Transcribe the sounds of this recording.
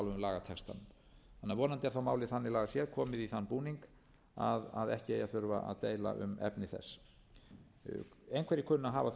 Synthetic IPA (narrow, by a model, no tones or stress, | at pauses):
lvʏmlaːɣat̪ʰɛkst̪a̰nʏm | θanːaɾvɔːnant̪ɪaɾθamaːwlɪθanːɪlaːɣasjɛðkʰɔːmɪðiθanːpuːniŋk | aðaðɛhcɪejaθʏɾva̰ʔa̰ðt̪eːjla̰ʔʏ̰mɛ̰pnɪθɛ̰sː | ejnkvɛɾɪkʰʏnːaɦaːva